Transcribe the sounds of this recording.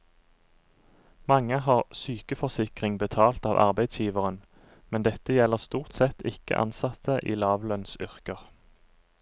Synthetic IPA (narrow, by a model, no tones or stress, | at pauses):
mɑŋəhɑːʁsyːkəfɔsɪkʁɪŋbət̪ʰɑːlt̪ɑːʋʔɑ̰ʁbæɪd̪sjiːʋəʁən | mɛnd̪ɛt̪əjɛləʁst̪uːʁt̪sɛt̪ʰɪkə̰ʔɑ̰nsɑt̪ʰəʔiːlɑːʋlœnsʏʁkəʁ